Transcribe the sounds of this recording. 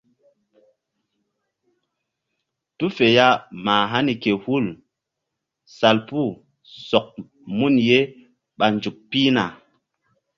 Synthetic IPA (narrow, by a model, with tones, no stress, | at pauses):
tu˦fe˨ja˦maː˨ɦa˦ni˨ke˨hu˦˨l | sa˨lpu˦˨ | sɔ˨k̚ | mu˦˨nje˦ | ɓa˨nd͡ʒu˨k̚piː˦na̰˨